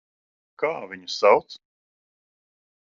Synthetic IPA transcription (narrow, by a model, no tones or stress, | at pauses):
kaːviɲusawt̪s